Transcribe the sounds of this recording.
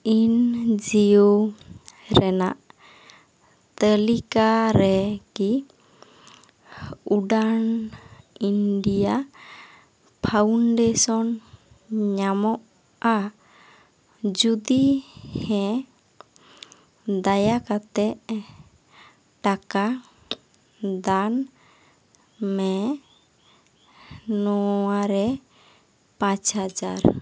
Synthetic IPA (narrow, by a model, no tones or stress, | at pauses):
ind͡ʒiju | ɾɛna̰ʔ | t̪əlikaɾɛki | uɖan | inɖija | pʰawnɖɛsɔn | ɲamɔʔ | a | d͡ʒud̪ihɛ̃ | d̪ajakat̪ɛʔ | ʈaka | d̪an | mɛ | nɔaɾɛ | pãt͡ʃhad͡ʒa̰ɾ